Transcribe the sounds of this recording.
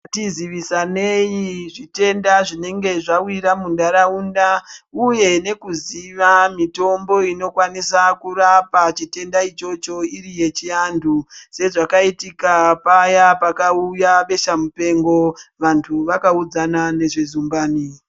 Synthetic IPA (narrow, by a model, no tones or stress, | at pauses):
tiziʋisane̞jiʐite̞ndaʐine̞ŋɡe̞ʐawiɾamundaɾaundauje̞ne̞kuziʋamito̞mbo̞ino̞kwanisakurapat͡ʃite̞ndait͡ʃo̞t͡ʃo̞irije̞t͡ʃiandʰuse̞ʐakaitikapajapakaujaɓe̞ʃamupe̞ŋɡo̞ʋantʰuʋakaud͡zanane̞ʐezumɡaːni